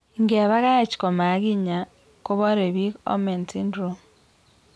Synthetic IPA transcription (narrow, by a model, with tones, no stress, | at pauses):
ŋɡe˨βa˦ɣa˦t͡ʃi̥˨kɔ˨ma˨˦ɣi˦ɲa˨ | ko˦βɔ˦ɾe˨βi˦kɔ̰˦me˨nti˦ndɾo˨